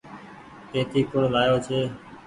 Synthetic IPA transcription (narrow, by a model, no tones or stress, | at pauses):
keːt̪ʰiːkʊɳlaːjoːt͡ʃʰeː